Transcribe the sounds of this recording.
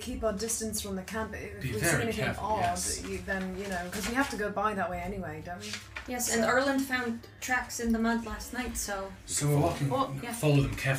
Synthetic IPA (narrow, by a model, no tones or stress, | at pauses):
kʰipədɪstɨ̃nsfɹʌ̃mðɨkʰæ̃mpɪɪwʌɛnɪθɪ̃ŋɔdjɨðə̃njɨnoʊkʰʌzwihaftəɡoʊbaɪðəʔ̚weɪɛniweɪdõʊ̃njɛsɨ̃nɜ˞lˠə̃nd̥fãʊ̃n | tʰɹ̥æksɨ̃nðəmʌd̪læsⁿnaɪtsoʊ | soʊwɪwɔkɪ̃ŋjfɑlˠoʊdə̃nkʰɛ